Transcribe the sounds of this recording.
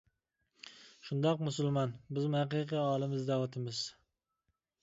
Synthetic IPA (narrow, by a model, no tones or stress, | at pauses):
ʃund̪ɑqmʊsʊlˠmɑnbɪzmhæqiqʰɨɑːlˠɪmɪzd̪æwɑt̪ʰɪmɪz̥